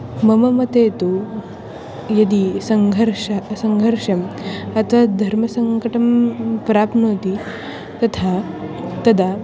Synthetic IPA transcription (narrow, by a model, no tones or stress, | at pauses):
mɐmɐmɐt̪eːt̪u | jɐd̪isɐŋɡʱɐɾʂɐsɐŋɡʱɐɾʂɐmɐt̪ʰʋad̪ʱɐɾmɐsɐŋkɐʈɐmpɾaːpnoːt̪i | t̪ɐt̪ʰat̪ɐd̪a